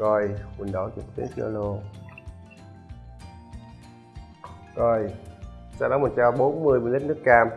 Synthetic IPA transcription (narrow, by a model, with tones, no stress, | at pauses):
kɔ˨˩jkwə˨˩nɗɔ˨˦t͡ɕə˨˩t̪ḭ˨˦fḭ˧ə̰˧lo˧ | kɔ˨˧˩jsaː˧ɗɔ˨˦mu˨˩t͡ɕaː˧wɓo˨˦nmɨ˧əjmi˧˨lə˦˥t̚nɨ˦˥əkkaː˧˩m